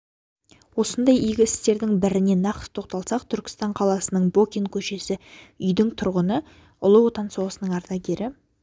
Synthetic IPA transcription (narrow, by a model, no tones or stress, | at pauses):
wo̞sənd̪ɑjijɡʲɪɪst̪e̞ɾd̪ɪŋbɪɾɪne̞nɑqt̪t̪ʰo̞q̚t̪ɑlˠsɑqt̪ʰʏɾkʲɪ̥st̪ɑɴqʰɑlˠɑsənəɴbo̞kʲiŋkʲʰɵʃe̞sɪʏjd̪ɪŋt̪ʰʊɾʁənə | ʊ̰lˠəwo̞t̪ɑnso̞ʁəsənəɴɑɾt̪ɑɡʲe̞ɾɪ